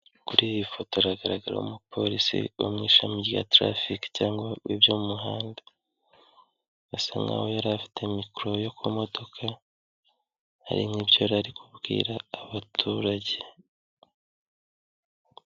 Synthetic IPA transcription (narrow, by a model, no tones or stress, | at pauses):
kuɾijifo̞toɾaɡaɾaɡaɾa̰ṵmupʰo̞ɾisḭo̰mŋiːʃamija̰tɾa̰fikcaːŋɡwaβibjomumuɦaːnda | asaŋɡa̰wojaɾafi̥tʰe̞mikɾo̞jo̞kʰumo̞do̞kʰa | ha̰ɾḭmibjoɾaɾikʰubɡḭːɾaːβatʰuɾaɟe